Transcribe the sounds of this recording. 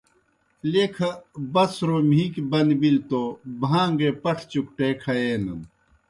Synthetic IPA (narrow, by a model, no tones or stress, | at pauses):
lekʰɐbɐsɾomiːkbɐnbilt̪obʱaːŋɡepɐʈʰt͡ɕuk̚ʈeːkʰɐeːnɐn